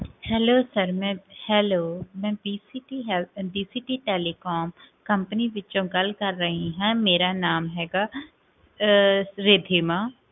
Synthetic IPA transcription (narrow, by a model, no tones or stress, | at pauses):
hɛːloːsəɾmɛ̃ːhɛːloːmɛ̃ːbiːsiːʈiːɦɛbiːsiːʈiːʈɛːliːkoːm | kəmpəniːʋɪtːt͡ʃõːɡəlkəɾːəɦĩɦɛ̃ːmeːɾaːnaːmɦɛːɡaː | ɾeːd̪ʱiːmãː